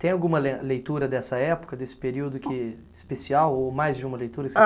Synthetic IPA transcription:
t̪ẽj̃awɡũmɐlelejt̪uɾɐd̪ɛsɐɛpo̥kɐd̪esɪ̥peɾiwd̪ʊkɪ | ɪspesiawomajzd͡ʒɪũmɐlejt̪uɾɐkɪ

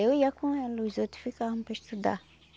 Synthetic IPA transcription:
ewujakʰũɛ̃lozot̪i̥fikahmpɛʃt̪ud̪a̰

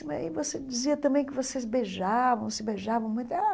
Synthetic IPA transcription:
mɐ̰ivosed͡ʒiziɐt̪ɐ̃bẽj̃kɪvosezbeʒavɐ̃w̃sɪbeʒavɐ̃w̃mũj̃t̪a

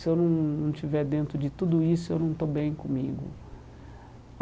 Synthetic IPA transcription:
sɪewnɐ̃w̃nɐ̃w̃t͡ʃivɛɾd̪ẽnt̪ɾʊd͡ʒɪt̪ud̪ʊisʊewnɐ̃w̃t̪obẽj̃kõmḭɡʊ̰

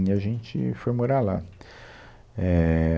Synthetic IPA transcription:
ɲɐʒẽnt͡ʃɪ̰fojmoɾala̰ | ɛ

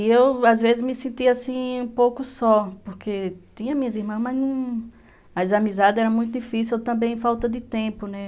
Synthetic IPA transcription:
iewazvezɪzmɪsẽnt̪iasĩũpowkʊsɔpoɾkʰet̪ĩɲɐ̃mĩɲɐziɾmɐ̃smaznũ | mazamizad̪ɪɛɾɐmũj̃t̪̬ʊd̪ifis̬iewt̪ɐ̃mbẽj̃fawt̪ɐd̪ɪt̪ẽpʊnɛ

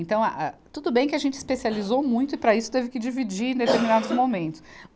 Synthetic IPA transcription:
ẽnt̪ɐ̃w̃aʔat̪ud̪ʊbẽj̃kɪɐʒẽnt͡ʃɪi̥spesializowmũj̃t̪ʊɪpɾɐisʊ̥t̪evɪkɪd͡ʒivid͡ʒiɾẽd̪et̪eɾminad̪ʊzmomẽnt̪ʊ̥s

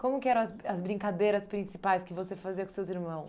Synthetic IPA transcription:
kõmʊkɪɛɾɐ̃w̃ɐzɐzbɾĩŋkad̪ejɾɐspɾĩsipajskɪvosefaziɐkõsewziɾmɐ̃w̃s

